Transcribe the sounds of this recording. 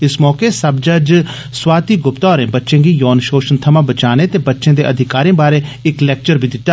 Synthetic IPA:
ɪsmɔːkeːsəb̚d͡ʒəd͡ʒ | swaːt̪iːɡʊpt̪aːɾẽːbətːʃẽːɡiːjɔːnʃoːʃənt̪ʰəmãːbət͡ʃaːneːt̪eːbətːʃẽːd̪eːʔəd̪ʱɪkaːɾẽːbaːɾeːɪklɛːk̚t͡ʃəɾbiːd̪ɪt̪ːaː

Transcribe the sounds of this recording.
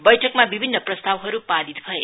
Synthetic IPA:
bʌjʈʰʌkmabibʱinːʌprʌst̪awɦʌɾupad̪it̪bʱʌe

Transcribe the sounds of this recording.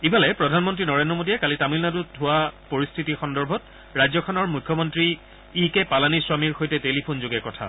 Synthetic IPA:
ibʱalɛpɹɔdʱanmɔntɹinɔɹendɹɔmodijɛkalitamilnadudʰʱʊwapoɹistʰitixɔndɔɹbʱɔt̚ | ɹajzɔkʰɔnɔɹmujkʰːɔmɔntɹi | ikɛpalaniswamiɹxojtɛtelipʰonzoɡɛkɔtʰa̰

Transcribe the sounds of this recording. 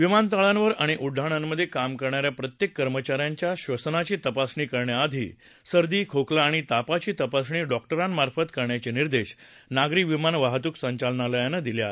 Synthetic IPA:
ʋimant̪aɭãnʋəɾaɽ̃iʔuɖʱːaɽ̃anməd̪ʱːjekamkəɾɳaɾjapɾət̪jekːəɾmət͡ɕaɾjaɲt͡ɕjaɕʋəsnat͡ɕiːt̪əpasɳiːkəɾɳjaːd̪ʱḭː | səɾd̪iːkʰoklaːɽ̃it̪apat͡ɕiːt̪əpasɳiːɖɔk̚ʈəɾanmaɾfət̪kəɾɳjat͡ɕiniɾd̪eɕ | naɡɾiʋimanʋaɦt̪uːksə̃ɲt͡ɕalnaləjanəd̪iljae

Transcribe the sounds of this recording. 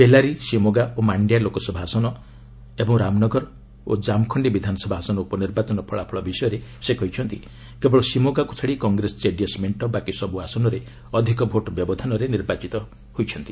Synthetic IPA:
belaɾisimoɡaomaɳɖjalokɔsɔbʱaasɔnɔ | ebɔŋɾamnɔɡɔɾɔ | od͡ʒamkʰɔɳɖibid̪ʱanɔsɔbʱaasɔnɔupɔniɾbat͡ʃɔnɔpʰɔɭapʰɔɭɔbisɔjɔɾesekɔjt͡ʃʰɔnt̪i | kebɔɭɔsimoɡaku̥t͡ʃʰɔɽikɔŋɡɾesɔ̥t͡ʃeɖiesmeɳʈɔbakisɔbuasɔnɔɾe | ɔd̪ʱikɔbʱoʈɔbjɔbɔd̪ʱɔnɔɾeniɾbat͡ʃit̪ɔ | hojt͡ʃʰɔnt̪i

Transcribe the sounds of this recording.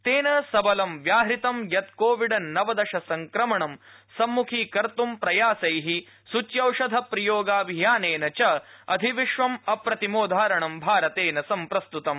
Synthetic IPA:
t̪eːnɐsɐbɐlɐmʋjaːɦɾit̪ɐmjɐt̪koːʋiɖɐnɐʋɐd̪ɐʃɐsɐŋkɾɐmɐɳɐm | sɐmːukʰiːkɐɾt̪umpɾɐjaːsɐjɦi | sut͡ʃjɐwʂɐd̪ʱɐpɾɐjoːɡaːbʱijaːneːnɐt͡ʃɐɐd̪ʱiʋiʂʋɐmɐpɾɐt̪imoːd̪ʱaːɾɐɳɐmbʱaːɾɐt̪eːnɐsɐmpɾɐst̪ut̪ɐm

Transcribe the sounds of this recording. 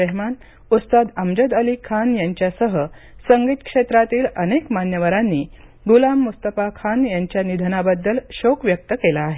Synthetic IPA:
əɦman | ut̪st̪ad̪əmd͡ʑəd̪əlikʰanjaɲt͡ɕjasəɦəsəŋɡit̪kʂet̪ɾat̪iːlənekmanjəʋaɾanːiː | ɡulamːust̪əpakʰanjaɲt͡ɕjanid̪ʱənabəd̪ːəlɕokʋjək̚t̪əkelaːɦe

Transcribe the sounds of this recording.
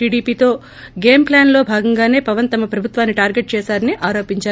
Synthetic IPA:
iːɽiːpiːt̪o̞ː | ɡe̞ːmplaːnlo̞ːbʱaːɡɐŋɡaːne̞ːpɐʋɐnt̪ɐmɐpɾɐbʱut̪ʋaːnːiʈaːɾɡeʈ̚t͡ʃɛːsaːɾɐniʔaːɾoːpiɲt͡ʃaː

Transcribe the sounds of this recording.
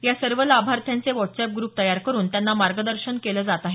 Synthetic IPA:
jasəɾʋəlabʱaɾt̪ʰjãnt͡seʋɔʈsɛp̚ɡɾuːp̚t̪əjaɾkəɾuːnt̪janːamaɾɡəd̪əɾɕənkeləːd͡zat̪aɦe

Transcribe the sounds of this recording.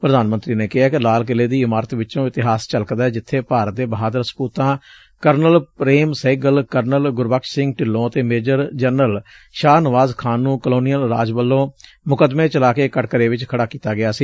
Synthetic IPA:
pɾəd̪aːnmə̃nt̪ɾiːneːkɪɦaːkɪlaːlkɪleːd̪iːɪmaːɾət̪ʋɪt͡ʃõːɪt̪ɪɦaːst͡ʃəlkd̪ɛːd͡ʒɪt̪ʰːeːpaːɾət̪̚d̪eːbəɦaːd̪əɾspuːt̪ãː | kəɾnəlpɾeːmseːɡəlkəɾnəlɡʊɾʋəkʃsɪ̃ŋɡʈɪlːõːət̪eːmeːd͡ʒəɾd͡ʒənəl | ʃaːnəʋaːzkʰaːnːũːkəloːnijəlɾaːd͡ʒʋəlːõː | mʊkəd̪meːt͡ʃəlaːkeːkəʈkəɾeːʋɪt͡ʃkʰəɽaːkiːt̪aːɡɪjaːsiː

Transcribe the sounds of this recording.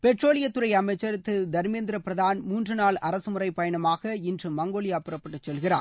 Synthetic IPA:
pɛʈroːlɪjɐt̪ːɯɾɐɪɐmɐɪt͡ʃːɐɾɯt̪ːɯd̪ɐɾmeːnd̪ɪɾɐpɪɾɐðaːnmuːndrɯnaːɭɐɾɐsɯmʊrɐɪpɐjɐɳɐmaːɣɐɪndrɯmɐŋɡoːɭɪjaːpɯɾɐpːɐʈːɯt͡ʃːɛlɣɪra̰ː

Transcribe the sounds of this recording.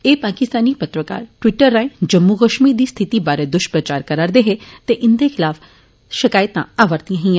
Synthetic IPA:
eːpaːkɪst̪aːnipɐt̪ɾəka̰ːɾʈʋɪʈəɾːãẽd͡ʒɐmːuɣəʃmid̪iːst̪ʰɪt̪ibaːɾed̪ʊʃpɾət͡ʃaːɾkɐɾaːɾd̪eɦet̪eʔɪnd̪exɪlaːf | ʃɪkaːjət̪ã̰aːʋəɾd̪iãɦĩã

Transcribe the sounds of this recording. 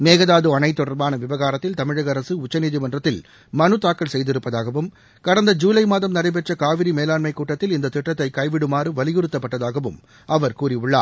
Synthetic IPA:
meːɣɐðaːðɯɐnɐɪt̪ːɔɽɐɾbaːnɐʋɪʋɐɣaːɾɐt̪ːɪlt̪ɐmɪɻɐɣɐɾɐsɯʊt͡ʃːɐniːðimɐndrɐt̪ːɪl | mɐnɯt̪aːkːɐɭsɛjðɪɾɯpːɐðaːɣɐʋɯm | kɐɽɐnd̪ɐd͡ʒuːlɐɪmaːðɐmnɐɾɐɪp̬ɛʈt͡ʃɐkaːʋɪɾimeːlaːɳmɐɪkːuːʈːɐt̪ːɪlɪnd̪ɐt̪ɪʈːɐt̪ːɐɪkɐɪʋɪɽɯmaːɾɯʋɐlɪjɯɾɯt̪ːɐpːɐʈːɐðaːɣɐʋɯm | ɐʋɐɾkuːrɪʊɭːa̰ː

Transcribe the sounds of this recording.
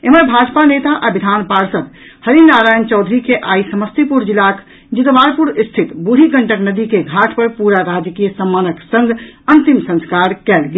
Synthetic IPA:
eməɾbʱad͡ʒpanet̪aʔabid̪ʱanpaɾsət̪ | həɾinaɾajənt͡ʃɔʊd̪ʱɾikeʔaisəməst̪ipuɾd͡ʒilak | d͡ʒit̪baɾpuɾist̪ʰit̪buɾʱiɡəɳʈəknəd̪ikeɡʱaʈʰpəɾpuɾaɾad͡ʒkijəsəmːanəksəŋɡʱənt̪imsə̃nskaɾkɛlɡe

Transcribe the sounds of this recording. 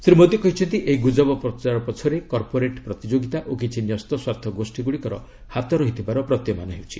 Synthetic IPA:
sɾimod̪jɔkɔɦit͡ʃʰɔnt̪iʔeɦiɡud͡ʒɔbɔpɾɔt͡ʃaɾɔpɔt͡ʃʰɔɾekɔɾpoɾeʈpɾɔt̪id͡ʒoɡit̪aʔok̬it͡ʃʰinjɔst̪ɔswaɾt̪ʰɔɡosʈiɡuɽikɔɾɔ̰ | hat̪ɔɾɔɦit̪ʰibaɾɔpɾɔt̪jɔmanɔɦewt͡ʃʰi̥̰

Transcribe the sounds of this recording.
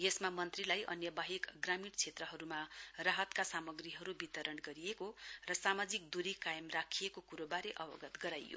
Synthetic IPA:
jesmamʌnt̪rilajʔʌ̰njʌbaɦikɡramiɽt͡sʰet̪rʌɦʌɾumarʌɦʌt̪kasamʌɡriɦʌɾubit̪ʌɾʌɳɡʌɾijekorʌsamad͡zik̚d̪uɾikajʌmrakʰijekokuɾobaɾeʔʌbʌ̰ɡʌt̪ɡʌɾajjo̰

